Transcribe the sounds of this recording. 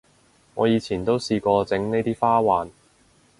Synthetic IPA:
ŋɔ̰ː˨˧jiː˨˧t͡sʰiː˨˩nt̪o˥wsiː˧kɔː˧t͡sɪ˨˥ŋne˥jt̪iː˥faː˥waː˨˧n

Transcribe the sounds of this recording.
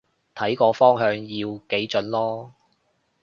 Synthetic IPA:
t̪ʰɐ˨˥jkɔː˧fɔː˥ŋɦœː˨˧ŋjiː˧wke˨˥jt͡ʃɵ˨˥nlɔː˥

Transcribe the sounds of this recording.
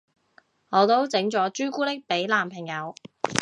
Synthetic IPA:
ŋɔː˨˧t̪o˥wt͡sɪ˨˥ŋt͡ʃɔː˨˥t͡ʃyː˥kuː˥t̪ɪ˥k̚pe˨˥jlaː˨mpʰɪ˨˩ŋjɐ˨˧w

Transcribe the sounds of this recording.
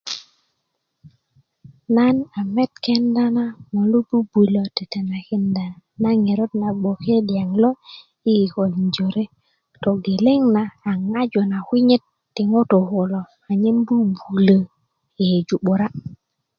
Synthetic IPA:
na˦na˨me˦t̚ke˦nda˦na˦ŋo˨lu˦bu˦bu˨lo˨te˨te˨na˨ki˦nda˨na˦ŋe˨ɾo˦t̚na˨ɓo˨ke˦dja˨ŋlo˦ | i˦i˨ko˨li˨ɲd͡ʒo˨ɾe˦ | to˨ɡe˨le˦ŋnaː˨ŋa˦d͡ʒo˨na˨kwi˦ɲe˦tːi˨ŋo˦to˨ko˨lo˨ | a˨ɲe˦mbu˦bu˨lə˦˨ | e˨d͡ʒu˨ɓu˨ɾa˦

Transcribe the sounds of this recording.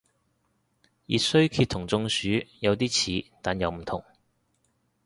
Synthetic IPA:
jḭ˨t̚sɵ˥ɥkʰiː˧t̪ʰːʊ˨˩ŋt͡sʊ˧ŋsyː˨˥jɐ˨˧wt̪iː˥t͡sʰiː˨˥t̪aː˨njɐ˨˧wm̩˨˩t̪ʰʊ˨˩ŋ

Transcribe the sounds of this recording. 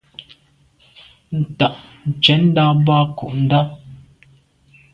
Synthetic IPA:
n̩˨ta˨ʔn̩˨t͡ʃɛ˨˦n̩˦da˦ba˦ku˨ʔn̩˦da˦

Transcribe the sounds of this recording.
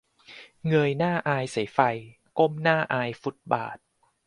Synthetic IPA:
ŋɤ˧jnaː˥˩ʔaː˧jsa˩˦jfa˧j | ko˥˩˨mnaː˥˩ʔaː˧jfu˨˩t̪̚ba̰ː˨˩t̪̚

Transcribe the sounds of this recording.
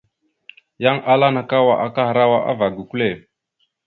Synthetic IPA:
ja˦ŋʔa˦la˦na˨ka˦wa˨ʔa˨ka˦ha˨ɾa˦wa˦ʔa̰˦va˨ɡu˨ku˦le˦˨

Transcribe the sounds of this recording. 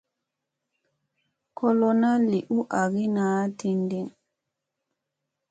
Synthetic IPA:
kʰɔ˦lɔ˦na˦li˨ʔu˦ʔa˨ɡi˦naː˨˦ti˨ndi˦˨n

